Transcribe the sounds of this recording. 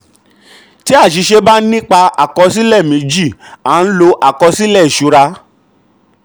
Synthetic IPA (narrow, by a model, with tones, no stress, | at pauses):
ti˦a˦˨ʃ̬i˨˧˦ʃe˧ba˦nĩ˦k͡pa˧a̰˨kɔ˧s̬i˦lɛ˦˨mĩ˨˦d͡ʒi˦˨a˨˦n̩˦lo˧ʔa˦˨kɔ˧si˦lɛ˦˨i˨ʃu˨˧˦ɾa˧